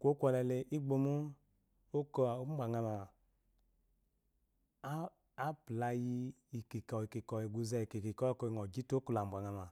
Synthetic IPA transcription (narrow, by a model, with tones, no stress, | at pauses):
kʷo˦kʷɔ˧lɛ˨˧le˧ʔi˦ɡ͡bo˧mu˦ | o˦kɔ˨˦m˦ɡ͡bʷa˨ŋa˧ma˨˦ | pla˧ji˧i˨ki˨kɔ˨i˨ki˨kɔ˨i˨ɡu˧zɛ˧˨ki˨ki˨kɔ˦kɔ˧i˨ŋɔ˨d͡ʒi˦to˦ku˧˨la˨ɡ͡bʷa˨ŋa˧ma˨